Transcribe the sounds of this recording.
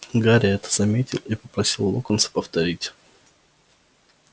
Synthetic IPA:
ɡaɾʲɪɛt̪ə̥zɐmʲetʲɪlˠipə̥pɾɐsʲilˠːokənsə̥pəft̪ɐɾʲitʲ

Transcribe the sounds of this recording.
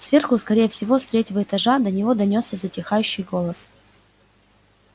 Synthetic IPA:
svʲe̞rxʊskɐɾʲejəfsʲɪvo̞st̪ɾʲetʲɪvəɪt̪ɐʐad̪ənʲɪvo̞d̪ɐnʲo̞sːʲəzətʲɪxajʉɕːɪjɡo̞lˠəs

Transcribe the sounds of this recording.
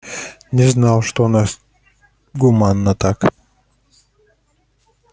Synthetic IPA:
nʲɪznɑlˠʂt̪onas | ɡʊmanːət̪ak

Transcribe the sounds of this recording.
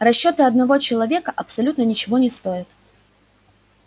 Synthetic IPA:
rɐɕːot̪ɨɐd̪nɐvo̞t͡ɕɪlˠɐvʲe̞kəʔɐpsɐlʲut̪nənʲɪt͡ɕɪvo̞nʲɪst̪o̞ɪt̪̚

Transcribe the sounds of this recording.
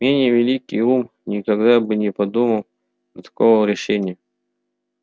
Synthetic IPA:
mʲenʲɪjəvʲɪlʲikʲːɪjum | nʲɪkɐɡd̪abɨnʲɪpɐd̪uməlˠ | ət̪ɐ̥kovəɾʲɪʂɛnʲɪjə

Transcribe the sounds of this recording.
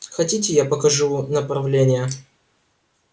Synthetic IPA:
xɐtʲitʲɪjapəkɐʐunəpɾɐvlʲenʲɪjə

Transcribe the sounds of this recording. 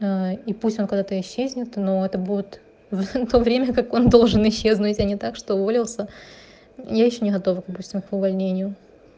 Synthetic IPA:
aipusʲtʲokɐɡd̪at̪əɪɕːezʲnʲɪt̪no̞ɛt̪əbudʲɪt̪ | vt̪o̞vɾʲemʲəkako̞nd̪o̞lˠʐɨnɪɕːe̞znutʲɐnʲɪt̪akʂt̪o̞volʲɪlˠsʲə | jajɪɕːonʲɪɣɐt̪o̞vəɡd̪ɐpusʲtʲɪmkʊvɐlʲnʲenʲɪjʊ

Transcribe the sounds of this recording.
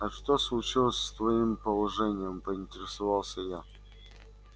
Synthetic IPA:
ɐʂt̪oslˠʊt͡ɕilˠəsʲst̪vɐimpəlˠɐʐɛnʲɪjəmpəɪnʲtʲɪɾʲɪsɐvɑlˠsʲəja

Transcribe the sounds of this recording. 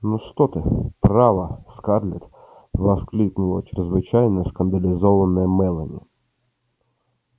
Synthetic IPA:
nɔst̪ɔt̪ɪpɾɑʋɐskɑrlʲɪt̪ | ʋɐsklʲiknʊlˠɔt͡ʃɪɾɪzʋɪt͡ʃajnəskɐnd̪ɐlʲɪzɔʋɐnɛjɛmɛlˠɐnʲɪ̰

